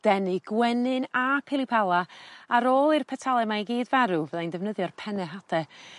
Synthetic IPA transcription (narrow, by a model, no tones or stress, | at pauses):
d̥ɛnɨɡ̥wɛnɨnapʰɪlˠipʰalˠaaɾoːlˠirpʰɛtʰalˠɛmajɡiːdvaɾuvɛðajndɛvnəðjɔrpʰɛnɛɦadʰɛ